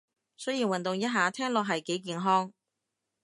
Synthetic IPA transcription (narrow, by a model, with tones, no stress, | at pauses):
sɵ˥jiː˨˩nwɐ˨nt̪ʊ˨ŋjɐ˥t̚ɦaː˨˩t̪ʰɛː˥ŋlɔː˨k̚ɦɐ˨jke˨˥jkiː˨nɦɔː˥ŋ